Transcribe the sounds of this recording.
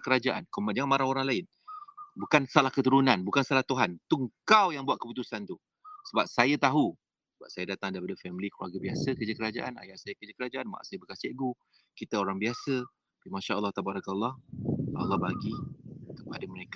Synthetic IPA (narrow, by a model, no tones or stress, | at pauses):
kəɾad͡ʒaʔankomand͡ʒaŋanmaɾaoɾaŋlaɪn | bukansalahkət̪uɾunãnbukansalaht̪uɦant̪uəŋkawjaŋbuat̪̚kəput̪usant̪u | səbap̚sajat̪aɦu | səbap̚sajadat̪aŋdaɾip̬adəfɛmiliklua̰rɡabiasəkərd͡ʒakəɾad͡ʒa̰ʔana̰jaʔsajakərd͡ʒakəɾad͡ʒaʔanmaʔa̰ʔsajabəkasɛʔɡu | kit̪aoɾaŋbiasə | pimãʃaəlːɑht̪abaɾakalːɑhə̰lːɑbaɡikəpadəməɾeka